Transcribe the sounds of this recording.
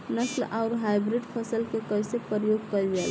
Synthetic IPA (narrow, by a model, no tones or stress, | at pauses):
nəslaʊɾɦajbɾiɖpʰəsəlkekəjsepɾəjoɡ̚kəjd͡ʒel